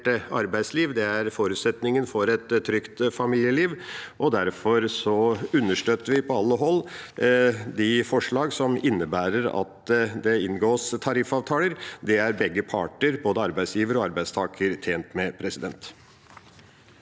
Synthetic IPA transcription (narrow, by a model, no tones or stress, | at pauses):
ʈəɑɾbæɪd̪sliːʋd̪ɛæɾfoːɾʉːt̪sɛt̪nɪŋənfɔɾɛt̪ʰːɾʏkt̪fɑmiːljəliːʋʔɔd̪æɾfɔɾsɔʉnːəʂʈøːt̪ːəɾʋɪpʰɔɑlːəɦɔlː | d̪ɪfɔʂɭɑːɡsɔmɪnːəbæːɾəɾɑ̰t̪d̪ɛɪnɡoːst̪ʰɑɾɪfɑːʋt̪ʰɑːləɾd̪ɛæɾbɛɡːəpʰɑ̰ːʈəɾboːd̪əɑɾbæɪsjiːʋəɾəɔɑɾbæɪd̪st̪ʰɑːkʰəɾt̪ʰeːnt̪mɛpʰɾɛsɪd̪ɛnt̪